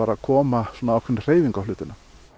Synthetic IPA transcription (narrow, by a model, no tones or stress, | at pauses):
aːɾakʰɔːmasɔːnaawkʰvɪɾnr̥eːjviŋkawflʏːt̪ɪna